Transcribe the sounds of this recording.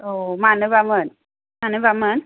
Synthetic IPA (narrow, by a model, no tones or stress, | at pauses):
ʔomanɨbamən | manɨbamən